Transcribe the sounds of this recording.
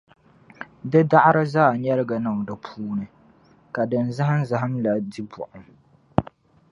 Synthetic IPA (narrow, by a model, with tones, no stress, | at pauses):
dɨ˦da˦ʔɾɨ˦zaː˦˨ɲɛ˦ɾɪ˦ɡa˨na˨ŋ˨dɨ˨pʰuː˦nɨ˨ | ka˨dɨ˨nza˦ɦa˦n˦za˦ɦa˦mla˨di˦bʊ̰˨ʔʊ˨m